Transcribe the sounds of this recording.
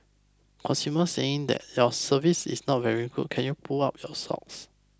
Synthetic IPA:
kʰɔ̃suməseɪ̃ŋd̪ɛ̰tjɔsəvisḭsnɔt̚vɛɹiɡṵd̚kʰɛ̃njupʰuaʊt̚jɔsɔ̰ks

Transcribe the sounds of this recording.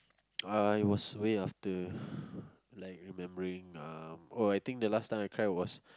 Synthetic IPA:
aiwɔsweaftə | laɪk̚ɹimɛ̃mbəɹĩŋamoajt̪ĩŋk̚d̪əlastãjmaɪkʰɹaɪt̚wɔs

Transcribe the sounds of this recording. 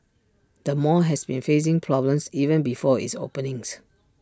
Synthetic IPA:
d̥əmɔɦɛsbĩnfes̬ɪ̃ŋpʰɹɔblə̃msivə̃nbifɔḭtso̰pə̃nĩŋs

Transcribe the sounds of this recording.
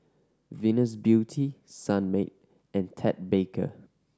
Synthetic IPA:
vĩnəsbjutʰisãnmet̚ | ʔɛ̃ntʰɛt̚bekʰə̰

